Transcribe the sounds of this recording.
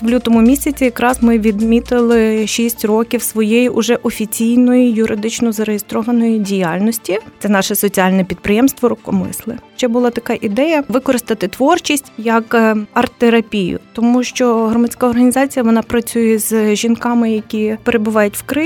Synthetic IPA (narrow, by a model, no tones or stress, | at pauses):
lʲut̪ɔmʊmʲisʲɐt͡sʲijɐkɾɑzmɪʋʲid̪mʲit̪ɪlˠɪʃʲisʲtʲrɔkʲiwsʋɔjejiʔʊʒɛʔɔfʲit͡sʲijnɔjijʊɾʔɪd̪ɪt͡ʃnɔzɐɾejest̪ɾɔʋɐnɔjidʲijɑlʲnɔsʲtʲit̪ɛnɑʃɛsɔt͡sʲiɑlʲnɛpʲid̪̚pɾɪjɛmst̪ʋɔɾʊkɔmɪ̰slˠɪʃt͡ʃɛbʊlˠɑt̪ɐkɑʔid̪ɛjɐʋɪkɔɾɪst̪ɐt̪ɪt̪ʋɔrt͡ʃʲisʲtʲjɐkɐrt̪eɾɐpʲijʊ̰t̪ɔmuʃt͡ʃɔɦɾɔmɐt͡sʲkɑɔrɦɐnʲizɑt͡sʲijɐʋɔnɑpɾɐt͡sʲujɛzʒʲinkɑmɪjɐkʲipeɾebʊʋɑjʊtʲwkɾɪ